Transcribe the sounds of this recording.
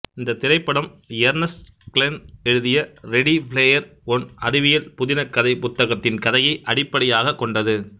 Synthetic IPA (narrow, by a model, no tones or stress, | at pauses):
ɪnd̪ɐt̪ɪɾɐɪpːɐɽɐmɪjɐɾnɐs | kɪlɛnɛɻɯðɪjɐɾɛɽipleːjɐɾɔnɐɾɪʋɪjɐlpʊðɪnɐkːɐðɐɪpʊt̪ːɐɣɐt̪ːɪnkɐðɐjɐɪʔɐɽɪpːɐɽɪjaːɣɐkːɔɳɖɐðɯ